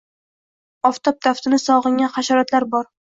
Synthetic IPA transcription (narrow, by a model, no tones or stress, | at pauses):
ɒft̪ʰɒp̚t̪ʰaft̪ʰɪnɪsɒʁɨŋʲanχaʃɒɾat̪laɾbɒɾ